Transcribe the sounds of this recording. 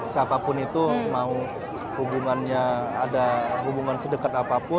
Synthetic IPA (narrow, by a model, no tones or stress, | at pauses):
siapapʊnit̪umau | hubuŋanɲaːdaɦubuŋansədəkat̪apapʊ